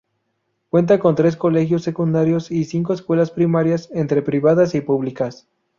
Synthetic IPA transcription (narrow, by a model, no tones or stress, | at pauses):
kwe̞nt̪̬ako̞nt̪ɾe̞s̬ko̞le̞xjo̞sːe̞kund̪aɾjo̞sisiŋk̬o̞eskwe̞laspɾimaɾjasent̪ɾe̞pɾiβaðasipuβlikas